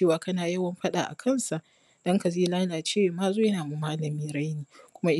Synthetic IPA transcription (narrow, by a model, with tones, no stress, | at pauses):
eː˦˨waː˨kɐ˦naː˨jɐ˦wɐ˦mɸɐ˦ɗaː˨ʔa̰˨kʰɐ˦˨nsa˨ | d̥ɔ˦ŋka˨zeː˦laː˦laː˨t͡ʃeː˦wmaː˦zoː˦jɐ˦naː˨mu˦maː˦lɐ˨miː˦ɾa˦jniː˨kʷʊ˦ma˦ʔɪ˦